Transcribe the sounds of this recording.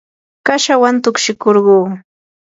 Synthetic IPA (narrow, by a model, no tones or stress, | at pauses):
kaʃawant̪ʊkʃɪkoɾɢuː